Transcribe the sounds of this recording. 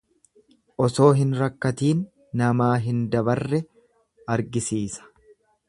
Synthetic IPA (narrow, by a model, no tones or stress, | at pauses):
ʔɔso̞ːɦɪnɾɐkːɐt̪iːnː | ɐmaːɦɪnd̪ɐbɐrːɛ | ɐɾɡɪsiːsɐ̥